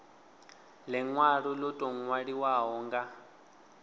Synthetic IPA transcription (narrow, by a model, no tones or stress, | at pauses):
lɛŋwaɺulɔtʼɔŋwaɺiwaɦɔːŋɡa